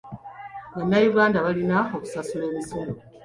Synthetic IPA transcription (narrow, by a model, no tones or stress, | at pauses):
βanːajiβɡaːndaβalinao̞ku̥sasule̞ːmisono